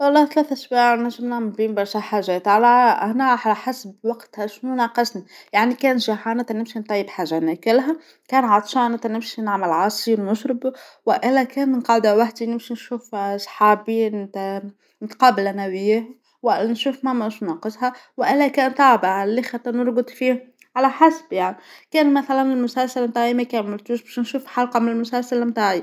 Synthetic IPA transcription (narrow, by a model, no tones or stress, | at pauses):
wɑlˤːɑːht̪læːθʔswaːʕnæʒːəmnambiːnbɑɾˤʃæħaʒɛːt̪ʕalæʔænæħħasbwɑqt̪hæʃnunɑːqəʃnajaʕnikæːnʒaħanæt̪ænɪmʃint̪ˤɑjːəbħaːʒːanækɪlɦæ | kæːnʕɑt̪ˤʃɑnæt̪ænɪmʃinaʕməlʕɑsˤiɾnʊʃɾɪbwɪʔɪlːækæːnmənqɑʕd̪æwaħd̪inɪmʃinʃuːfsˤħɑːbit̪ | nt̪qɑːbɪlænæwɪjeh | wnʃuːfmæmæʃnnɑːqəshɑwʔɪlːækæːnt̪ˤɑʕbaʕlːixɑt̪ːˤɑnʊɾˤɡʊd̪ˤfiːh | ʕalæħasb̥jaʕnikæːnmæθælænɪlmʊsælsalmt̪aːʕimækæːnmʊlt̪uːʃbæːʃnʃuːfħɑlqɑmɪnɪlmʊsælsalmt̪aːʕi